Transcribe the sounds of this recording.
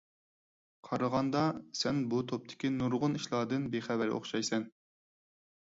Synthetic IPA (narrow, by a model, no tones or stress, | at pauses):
qʰɑɾəʁɑnd̪ɑsɛnbut̪ʰop̚t̪ʰɪ̥kʲinuɾʁʊniʃlˠɑːd̪ɨnbeχævæɾo̰χʃɑjsɛn